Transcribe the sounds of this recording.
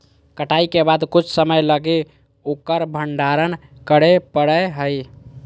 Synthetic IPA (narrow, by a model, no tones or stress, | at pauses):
kəʈajkebad̪kut͡ʃʰsəməjləɡe | okəɾbʱəɳɖaɾənkəɽepəɽəɦəj